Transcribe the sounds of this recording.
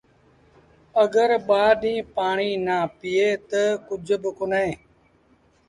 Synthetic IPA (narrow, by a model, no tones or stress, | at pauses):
əɡəɾɓaːɗĩːpaːɳiːnaːpiːeːt̪əkʊd͡ʒʱbəkʊnẽː